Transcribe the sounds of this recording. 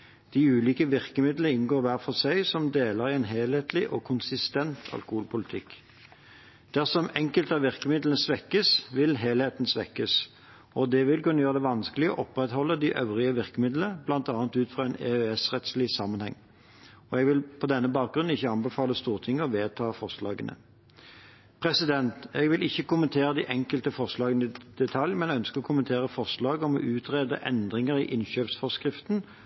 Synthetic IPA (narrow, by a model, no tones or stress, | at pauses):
d̪̥iʉːliːkəʋɪʁkəmɪd̪ləəɪnɡoːʁʋæʁfɔʁsæɪsɔmd̪eːləʁɪɛnɦeːlheːt̪lɪʔɔkʰʊnsɪst̪ɛnt̪ʰɑ̰lkʊhuːlpʰʊlɪt̪ʰɪkː | d̪̥æʁsɔmɛŋkəlt̪ɑʋʋɪʁkəmɪd̪lənəsʋɛkːəsʋɪlɦeːlheːt̪n̩sʋɛ̰kːəs | ɔd̪ɛʋɪlkʉnːəjøːʁəd̪ɛʋɑnskəlɪɡəɔ̰ʔɔpʁɛt̪hɔlːəd̪ɪʔœʋʁɪəʋɪʁkəmɪd̪ləblɑnt̪ɑːnət̪ʉːt̪fʁɑːɛnɛ̰øɛsʁɛt̪slɪsɑmːənhɛ̰ŋː | ɔɛɡʋɪlpʰɔd̪ɛnːəbɑːk̪̚ɡʁʉnn̩ɪçːəɑnbɛfɑːləst̪uːʁt̪ʰɪŋːəɔʋeːt̪ʰɑːfɔʁʂlɑ̰ːɡənʔə̰ | pʰʁɛsɪd̪ɛnt̪ɛɡʋɪlɪçːəkʊmənt̪ʰeːɾəd̪ɪʔɛŋkəlt̪əfɔʁʂlɑːɡənɪd̪̥ɛt̪ʰɑljmɛnɛœnskəʁɔkʰʊmənt̪ʰeːʁəfɔʁʂlɑːɡɔmɔ̰ʔʉːt̪ʰʁeːd̪əʔɛ̰nd̪ʁɪŋəɾɪʔɪnɕøːpsfɔʁskʁɪft̪n